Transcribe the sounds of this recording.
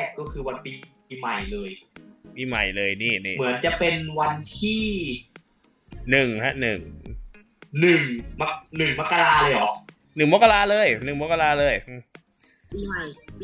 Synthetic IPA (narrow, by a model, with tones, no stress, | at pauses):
kkːɔː˥˩kʰɯː˧wa˧npi˧ | ma˨˩jlɤː˧jpiː˧ma̰˨˩jlɤː˧jniː˥˩niː˥˩mɯ˩˦ənt͡ɕa˨˩pe˧nwa˧nt̪ʰiː˥˩ | nɯ˨˩ŋha˦˥ʔnɯ˨˩ŋʔ | nɯ˨˩ŋma˦˥nɯ˨˩ŋma˦˥kːa˧laːaː˧lɤː˧jɔ˨˩k̚ | nɯ˨˩ŋmo˦˥kːa˧laː˧lɤː˧˩jnɯ˨˩ŋma˦˥kːa˧laː˧lɤː˧jʔɯː˧˩ | piː˧ma˨˩j